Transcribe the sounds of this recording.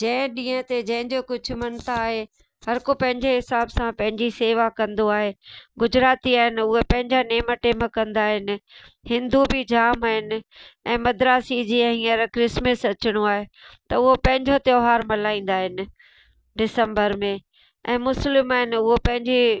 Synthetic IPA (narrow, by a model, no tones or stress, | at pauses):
d͡ʑɐ̃ɪ̃ɗĩːə̃t̪ed͡ʑɐ̃ɦɪ̃ɲd͡ʑokʊd͡ʑʱʰʊ̆mɐnt̪ʰaːɦe | hɐɾkopɐ̃ɦɪ̃ɲd͡ʑeɦɪsaːbsãpɐ̃ɦɪ̃ɲd͡ʑiseːʋakɐ̃nd̪oaːɦeːɡʊd͡ʑɾaːt̪iaːɦɪnɪ̆ʊɦepɐ̃ɦɪ̃ɲd͡ʑaneːməʈeːməkːɐ̃nd̪aːɦɪnɪ̆ | hɪ̃nd̪ubʱɪd͡ʑaːmaːɦɪnɪ̆ɛ̃ːmɐd̪ɾaːsid͡ʑiːə̃ɦĩːəɾkɾɪsməsɐt͡ɕɪɽ̃oaːɦet̪ɐʊɦopɐ̃ɦɪ̃ɲd͡ʑot̪eoːɦaːɾmɐlaːĩːn̆d̪aːɦɪnɪ̆ | ɖɪsə̃mbəɾmẽ | ɛ̃ːmʊslɪmaːɦɪnɪ̆ʊɦopɐ̃ɦɪ̃ɲd͡ʑi